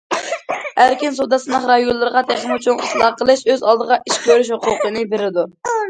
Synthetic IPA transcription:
hæɾkʲinsud̪ɑsɨnɨχɾɑjolˠːɨɾəʁɑt̪ʰæχɪmut͡ʃʰuŋislˠɑqəlˠɨʃøzɑlˠd̪əʁɑʔiʃk̚ʲʰøɾyʃhʊqʊqʰənɨbeɾɪd̪u

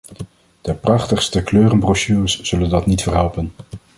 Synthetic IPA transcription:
d̥əprɑχtəχstəkløːrənbrɔʃyːrəsz̥ɵləndɑtnitfəɹɦɛlˠpən

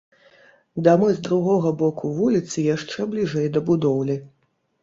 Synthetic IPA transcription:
d̪amɨzd̪ɾuɣɔɣɐbɔkuvulʲit̪sɨjaʂt͡ʂɛblʲiʐɛjd̪ɐbud̪ɔwlʲi

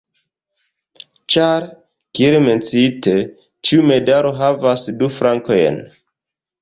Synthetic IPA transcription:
t͡ʃaɾ | kieɾeme̞nt͡site | t͡ʃiume̞daɾo̞ɦavasdufɾʔaŋkojḛn

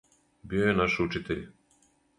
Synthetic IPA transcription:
biojenaʃut͡ʃit̪eʎ

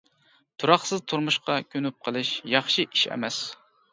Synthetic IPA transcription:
t̪ʰuɾɑχsɨzt̪ʰuɾmuʃqɑkʲʰønyp̚qʰəlˠɨʃjɑχʃiʔiʃɛ̰mɛs

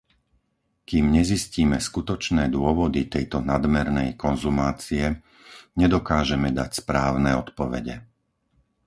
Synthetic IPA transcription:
kiːmɲɛzisciːmɛskut̪ɔt͡ʃnɛːd̪ʊɔʋɔd̪it̪ɛjt̪ɔnad̪mɛɾnɛjkɔnzumaːt͡siɛ | ɲɛd̪ɔkaːʒɛmɛd̪acspɾaːʊnɛːɔt̪pɔʋɛ̰ɟɛ̰

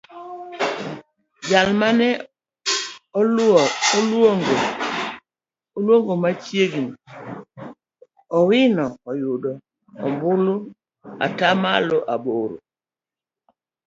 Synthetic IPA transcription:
d͡ʒalmanɛ | ɔlɔlwoŋɡo | ɔlwoŋɡomat͡ʃjeɡini | ɔwinɔɔjudɔ | ɔ̰mbulu | a̰tamalɔʔaboɾo̰

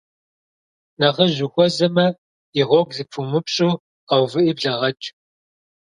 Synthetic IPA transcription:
nɐʁɐʑɪxʷɔzɐmɐ | iʁʷɔɡzɨpʰumɨpɕʼuː | ɐwvɨʔiːbɮɐʁɐt͡ʃʼ

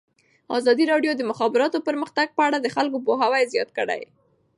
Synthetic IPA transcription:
ɑ̰zɑd̪iɾɑɖjod̪əmʊxɑbɪɾɑt̪opəɾməxt̪aɡ̚pəaɽad̪əxalk̬opoɦawajzjɑt̪̚kəɽa̰j

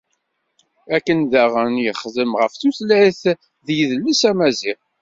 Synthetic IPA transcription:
ækːənðæʁənjəχðəmʁəfθuθlæiθ | ðjəðəlːisæmæziʁ

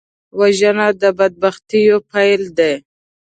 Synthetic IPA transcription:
waʒənad̪əbad̪̚baxt̪ijopajld̪e

